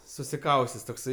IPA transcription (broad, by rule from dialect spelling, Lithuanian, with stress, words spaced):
sʊsʲɪˈkɐʊsʲtʲɛs toːkˈsɐɪ